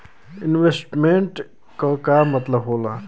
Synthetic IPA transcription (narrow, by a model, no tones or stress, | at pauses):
ɪnʋesʈmẽɳʈ | kəkamɐt̪ləbɦoːla